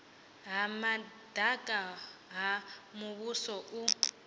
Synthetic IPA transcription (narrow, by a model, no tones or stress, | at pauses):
ɦama | dʱakʼaɦamuβusɔʔu